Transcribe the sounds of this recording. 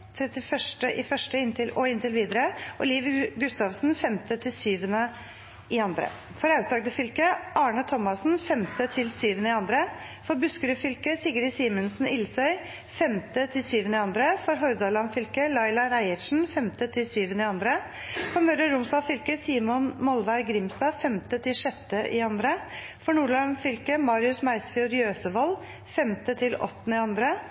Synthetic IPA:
t̪ʰɾɛt̪ɪfœʂʈəʔɪfœʂʈəɪnt̪ʰɪlʔɔɪnt̪ɪlʋiːd̪əɾəʔɔliːʋəɡʉst̪ɑʋsnfɛmt̪ət̪ʰɪlsyːʋənə | ɪɑnd̪ɾə̰ | fɔɾɑʉtsɑːɡd̪əfʏlkəʔɑːɳət̪ʰɔmːɑsn̩fɛmt̪ʰət̪ʰɪlsyːʋənəɪɑnd̪ɾə | fɔɾbʉskəɾʉfʏlkəsɪɡəɾɪsiːmənsn̩ɪlsœʏ | fɛmt̪ət̪ʰɪlsyːʋənəɪɑnd̪ɾəfɔɾɦɔɾd̪ɑlɑnfʏlkəlɑɪlɑɾæɪəʂn̩fɛmt̪ət̪ʰɪlsyːʋənɪɑnd̪ɾə | fɔɾmœɾəɾʊmsɑːfʏlkəsiːmʊnmɔlʋæɪɾɡɾɪmst̪ɑːfɛmt̪ət̪ʰɪlʂɛt̪ːəʔɪ̰ɑnd̪ɾə | fɔɳuːɭɑnfʏlkəmɑːɾɪʉsmæɪsfɪʊɾjøːsəʋɔl | fɛmt̪ət̪ʰɪlɔ̰t̪ːnɪɑnd̪ɾə

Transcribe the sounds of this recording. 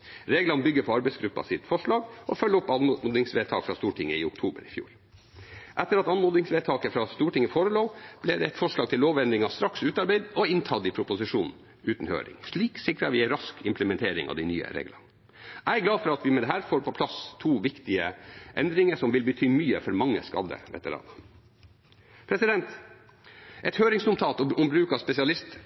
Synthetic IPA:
ɾeːɡlɑnəbʏɡːəɾpʰɔɑɾbæɪsɡɾʉpːɑ̰sɪt̪fɔʂɭɑːɡɔfœlːɔpːɑnuːd̪ɪŋsʋeːt̪ʰɑ̰ːkfɾɑst̪uːʈʰɪŋːəɪʊkt̪ʰuːbə̰ɾɪfjṵːɾ | ʔɛt̪ːəɾɑt̪ɑnmoːd̪ɪŋsʋeːt̪ʰɑːkəfɾɑst̪uːʈɪŋːəfoːɾəloːb̥lɛd̪ɛɛt̪fɔʂɭɑːɡ̚t̪ʰɪlːoːʋɛnd̪ɾɪŋɑst̪ɾɑksʉːt̪ɑɾbæɪd̪ɔɪnt̪ʰɑd̪ɪpʰɾʊpʊsɪʂuːn | ʉːt̪n̩hø̰ːɾɪ̰ŋʂɭiːksɪkɾɑʋɪæɪɾɑskɪmpləmɛnt̪ʰeːɾɪ̰ŋɑ̰ʋd̪ɪny̰ːə̰ɾḛːɡlɑ̰n | ʔæɪɡlɑːfɔɾɑt̪ʋɪmɛd̪ɛɦæːɾfoːɾpʰɔpʰlɑst̪ʰuːʋɪkt̪ɪəʔɛnd̪ɾɪŋəʂɔmʋɪlbət̪ʰyːmyːəfɔɾmɑŋːə̰skɑ̰d̪ə̰ɾʋɛ̰t̪ə̰ɾɑ̰ːn | pʰɾɛsɪd̪ɛnt̪ | ʔɛt̪høːɾɪŋsnʊmt̪ʰɑːt̪ɔɔmbɾʉːkɑspɛsɪɑlɪst̪

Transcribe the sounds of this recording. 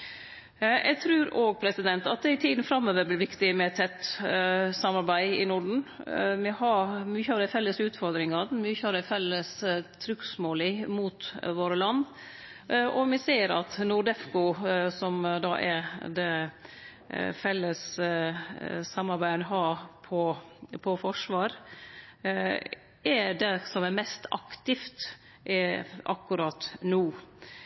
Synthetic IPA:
jʔɛ̰t̪ʰɾʉːɾoːɡ̚pʰɾɛsɪd̪ɛnt̪ɑt̪̚d̪ɛɪt̪ʰiːd̪n̩fɾɑmːøːʋəbɪɾʋɪkt̪ɪmɛt̪ʰːɛt̪ː | sɑmɑɾbæɪɪ̰nʊɖɳ̩mɛhɑɾmyçəɑːʋd̪æɪfɛlːəsʉːt̪fɔɾd̪ɾɪŋɑmyːçəɑʋd̪æfɛlːəst̪ʰɾʏksmoːlɪmuːt̪ʋoːɾəlɑnː | ʔɔmɪseːɾɑ̰t̪nʊɖ̪ɛfkʊsɔmd̪ɑ̰ʔɛɾd̪ɛ | fɛlːəs | ɑmːɑɾbæɪənəɦɑːpʰɔpʰɔfɔʂʋɑːɾ | ɛɖɛsɔmɛɾmɛst̪ɑ̰kt̪ɪft̪ | ʔʔɑ̰kːʉɾɑt̪nuː

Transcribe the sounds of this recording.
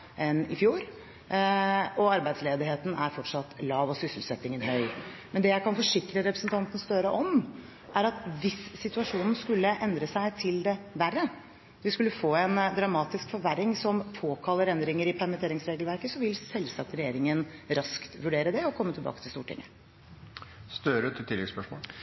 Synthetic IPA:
ɛnɪfjuːɾ | ɔɑɾbæɪd̪sleːd̪ɪɦeːt̪n̩æɾfɔʈʂɑt̪ːlɑːʋɔsʏsɪl̩sɛt̪ːɪŋənɦœʏmɛnd̪ɛjæɪkɑnfɔʂɪkɾəɾɛpɾəsənt̪ɑnt̪n̩st̪œɾəʔɔm | ʔæɾɑt̪ʋɪsːɪt̪ʉɑʂuːnn̩skʉlːəʔɛnd̪ɾəsæɪt̪ʰɪld̪ɛʋærːə | ʋɪskʉlːəfoːɛnd̪ɾɑmɑːt̪ɪskfɔɾʋæɾːɪŋsɔmpʰoːkʰɑlːəɾɛnd̪ɾɪŋəɾɪpʰæɾmɪnt̪ʰeːɾɪŋsɾeːɡəlʋæɾkəsɔʋɪlsɛlsɑk̚t̪ɾɛjeːɾɪŋənɾɑskt̪ʋʉɖeːɾəd̪ɛɔkʰɔmːət̪ʰlbɑ̰ːkə̥t̪ʰɪlst̪uːʈɪ̰ŋːə | st̪øːɾət̪ʰːɪt̪ʰɪlːɛ̰spœʂmo̰ː

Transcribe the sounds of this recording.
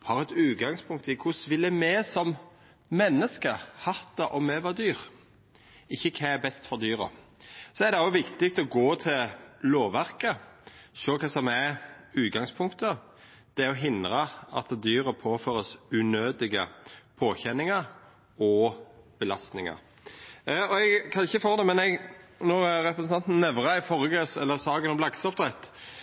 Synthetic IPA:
hɑːʁɛt̪ʉːt̪̚ɡɑŋspʰʊŋk̚t̪ɪkʰʊsʋɪlːəmɛsɔm | mɛnːəskəhɑt̪ɑʔɔmɛʋɑːd̪yːʁ | ɪçːəkʰɛæbɛst̪fɔʁd̪yːɾə̰ | sɔɛɾd̪ɛɑʊʋɪkt̪ɪk̚t̪ɔɡoːt̪ʰɪlloːʋæʁkəʃøːkʰɑsɔmæʉːt̪̚ɡɑŋspʰʊŋkt̪ə | d̪̥ɛɔɦɪnd̪ɾəɑ̰t̪d̪yːɾəpʰoːføːɾəsʉnøːd̪ɪɡəpʰoːçɛnːɪŋəɾ | ɔb̥əlɑst̪nɪŋɑ̰ɾ | ɔɛɡkʰɑnɪçːəfoːd̪ɛmɛnɛɡnɔɾɾɛpɾəsn̩ʰɑnt̪n̩ːɛʋɾɑɪfɔɾəɡəsɛlːəsɑːɡənɔmlɑɡsɔpd̪ɾɛt̪ː

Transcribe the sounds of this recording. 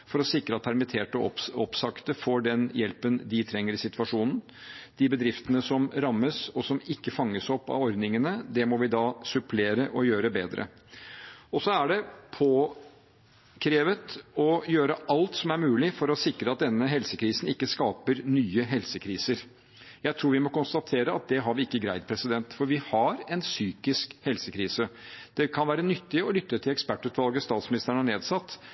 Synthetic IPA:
fɔɾɔsɪkɾəɑt̪̚pʰæɾmɪt̪ʰeːʈəɔpɔpsɑkt̪əfoːɖɛnjɛlpənd̪ɪt̪ʰɾɛŋːəɾɪsɪt̪ʋɑʂuːnn̩ | d̪̥ɪbəd̪ɾɪft̪ənəsɔmɾɑmːəsɔsɔmɪkːəfɑŋːəsɔpːɑ̰ɔɾd̪nɪŋənəd̪ɛmɔʋɪd̪ɑːsʉpʰleːɾəʔɔjøːɾəbeːd̪ɾə̰ | ɔsɔæɖɛpʰoː | kʰɾeːʋət̪ɔjøːɾəʔɑlt̪sɔmæɾmʉːlɪfɔɾɔsɪkɾəɑt̪̚d̪ɛnːəɦɛlsəkʰɾiːsnɪkːəskɑːpəɾnyːəɦɛlsəkʰɾiːsəɾ | jæɪt̪ʰɾuːɾʋɪmɔkʊnst̪ɑt̪ʰeːɾəɑt̪̚d̪ɛɦɑɾʋɪɪkːəɡɾæɪd̪̚pʰɾɛsɪd̪ɛnt̪fɔɾʋɪhɑɾɛnsyːkɪskhɛlsəkʰɾiːsəd̪̥ɛkʰɑnʋæːɾənʏt̪ːɪɔlʏt̪ːət̪ʰɪlɛkspæʈːʉːt̪ʋɑlɡəst̪ɑːt̪smɪnɪst̪əɾəɳəneːd̪sɑt̪ː

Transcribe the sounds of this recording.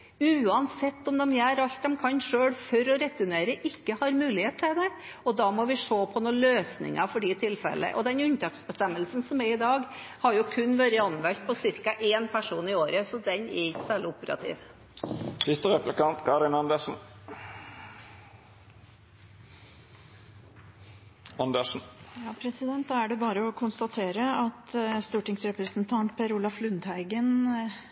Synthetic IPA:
ʉːɑnsɛt̪ːɔmd̪ɛmjæːɾɑlt̪̚d̪ɛmkʰɑnʂøːɽfɔɾɔɾɛt̪ːʉneːɾəʔɪkːəhɑɾmʉːlɪheːt̪ʰːɪd̪ɛ | ɔd̪ɑːmɔʋɪʂoːpʰɔnuːløːsnɪ̰ŋɑfɔɖit̪ʰɪlfɛ̰lʔə̰ʔɔd̪ɛnʉɲt̪ɑːksbəst̪ɛmːəlsn̩sɔmɛɾɪd̪ɑːɡhɑɾjʊkʰʉnːʋøɾəɑnʋɛlt̪̚pʰɔsɪɾkɑʔeːnpʰæʂuːnɪoːɾəsɔd̪ɛnɛɪkːsæːɭɪʊpəɾɑ̰t̪ʰḭːʋ | t̪ʰɪt̪ːəʁɛplɪkɑnt̪kʰɑɾɪnɑnd̪əʂn̩ | ɑnd̪əʂn̩jɑːpʰɾɛsɪd̪ɛnt̪̚d̪ɑːæɖɛbɑːɾəɔkʰʊnst̪ɑt̪ʰeːɾəɑt̪st̪uːʈɪŋsɾɛpɾəsnt̪ʰɑnt̪pʰɛɾʊːlɑflʉnd̪hæɪɡən

